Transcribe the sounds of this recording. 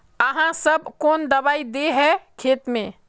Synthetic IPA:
əɦãsəbkoːnd̪əbaːid̪eɦɛkʰeːt̪mẽ

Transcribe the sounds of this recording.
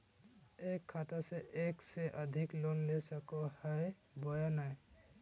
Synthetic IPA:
ekʰːat̪asɛʔeksɛʔəd̪ʱiklonlesakɔhaj | bɔjanaj

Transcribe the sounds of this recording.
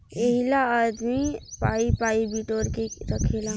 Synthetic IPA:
əɦilaad̪mipaːipaːibiʈoːɾkeɾəkʰeːla

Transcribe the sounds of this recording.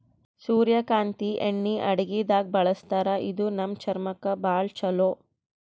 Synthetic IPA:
suːɾjɐkaːnt̪iʔeɳːiʔɐɽɐɡid̪aːɡ̚bɐɭɐst̪aːɾɐʔid̪unɐmt͡ʃɐɾmɐkɐbaːɭt͡ʃɐloː

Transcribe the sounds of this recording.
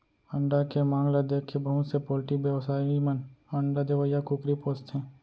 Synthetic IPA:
ə̃ɳɖakemaːŋɡlad̪ekʰebɐɦʊt̪sepoːlʈikbjəʋsaːiimənə̃ɳɖad̪eʋəjakʊkɾipoːst̪ɦɛ̃ː

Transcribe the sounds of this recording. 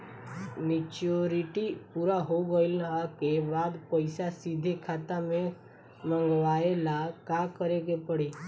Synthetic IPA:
nɪt͡ʃoɾiʈipuːɾaɦoɡəilakebaːd̪pəɪsasid̪ʱekʰaːt̪amẽ | mə̃ŋɡʋaelakakəɾeɡepəɽe

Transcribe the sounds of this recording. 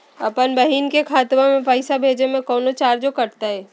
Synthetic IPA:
ɐpənbɐɦiːnkekʰaːt̪mãmẽpaɪsabʱeːd͡ʒemẽkɔːnot͡ʃaːɾd͡ʒokɐʈt̪aɦɛː

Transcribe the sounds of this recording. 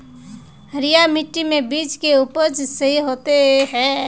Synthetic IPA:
ɦəɾijamiʈːimebiːt͡ʃkeupəɾd͡ʒsəɦiɦot̪eɦɛ

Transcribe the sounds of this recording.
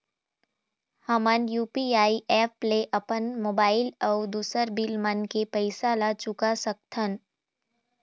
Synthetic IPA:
həmənjuːpiaːiʔɛːpːleʔəpənmoːbaːɪləʊd̪uːsəɾbɪlmənkepəɪsalat͡ʃʊkasək̚t̪ʰən

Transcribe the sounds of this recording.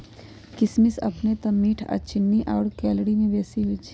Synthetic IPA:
kɪsmɪsɐ̰pnet̪ɐmːiːʈʰa̰t͡ʃɪnːiʔaːʊɽkɛːlɽimẽʋɛːsiɦʊt͡ʃ

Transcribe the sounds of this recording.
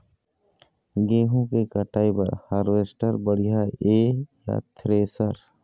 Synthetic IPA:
ɡeːɦõkekəʈaːipɐɾhaːɾʋeːsʈəɾbəɽ̤ijaeːja̰t̪ʰɾeːsəɾ

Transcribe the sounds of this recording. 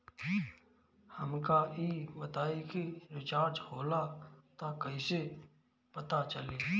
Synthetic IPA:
həmkaiːbət̪aːikiɾɪt͡ʃaːɾd͡ʒhoːlat̪akɐise | pɐt̪at͡ʃəleː

